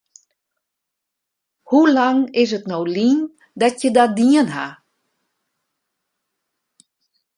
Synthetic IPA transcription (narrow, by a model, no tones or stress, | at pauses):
hulaŋɪs̬ətnowlin | dɔtjədadiənɦa̰